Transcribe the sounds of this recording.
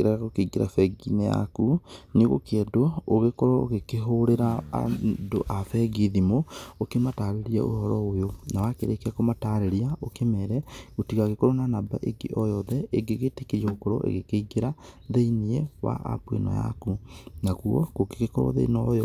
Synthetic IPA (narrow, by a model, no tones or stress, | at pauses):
eɾaɣaɣokeiɡeɾa̰fɛɡinɛja̰kuneɣo̰keɛdooɣekɔɾɔoɣekeɦoɾeɾa̰ː | do̰ʔafɛɡiðimookemataɾeɾiɛ̰ʔo̰hɔɾɔojonawakeɾekɛkomataɾeɾiaʔokemɛɾɛɣotiɣaɣekɔɾɔnanaba̰ʔeɡḛʔɔjɔðɛeŋɡeɣetekeɾiɛokɔɾɔ̰ʔḛɣekeiɡeɾaðeiniɛwa̰ʔa̰bwḛnɔ̰ja̰kunaɣuɔ̰koke̥kekɔɾɔ̰ðḛinɔ